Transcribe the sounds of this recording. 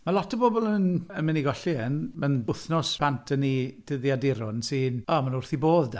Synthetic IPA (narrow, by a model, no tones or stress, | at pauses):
malˠɔtʰəbɔbɔlˠənənmɪniɡɔɬiɛnmanʊθnɔspʰantʰənid̥əðjadɪɾʊnsɨːnɔmanʊrθiboːðda